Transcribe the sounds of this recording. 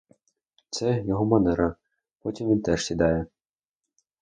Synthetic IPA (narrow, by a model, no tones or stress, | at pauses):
t̪sɛjɔɦɔmɐnɛɾɐ | pɔtʲimʋʲint̪ɛʃsʲid̪ɑjɛ